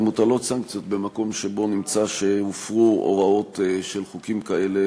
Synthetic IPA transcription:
mut̪alo̞tsaŋk̚t͡sijo̞t̪̚be̞mako̞mʃebo̞nimt͡saʃeufʁuo̰ʁao̞t̪ʃe̞lχukimkae̞le̞

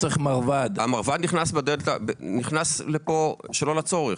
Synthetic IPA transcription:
t͡seχmaʁvad̪amaʁvad̪niχnasbed̪eltabeniχnaslepoʃelo̞lat͡so̞ʁeχ

